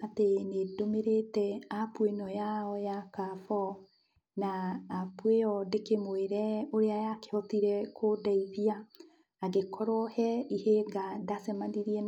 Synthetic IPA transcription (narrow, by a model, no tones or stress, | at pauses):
atenedomeɾetɛapwenɔjaɔjakafɔ | naːpweɔdekemweɾɛoɾeajake̥hɔt̪iɾɛkʰodaiðiaː | ɡekʰɔɾɔhɛiheɡadasɛmaniɾiɛ